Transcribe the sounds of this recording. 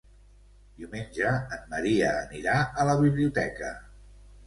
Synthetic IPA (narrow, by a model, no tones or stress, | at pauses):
d̪iumenʲʒəːmːəɾiəːniɾaələβ̞iβliut̪ɛkə